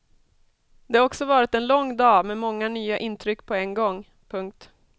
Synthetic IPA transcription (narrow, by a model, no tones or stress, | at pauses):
d̪̥ɛhaɾɔksɔvɑːɾɪt̪ɛnlɔŋːd̪ɑːmɛmɔŋːanyːaʔɪnt̪ʰɾʏkːpʰɔɛnɡɔŋː | pʰɵŋk̚t̪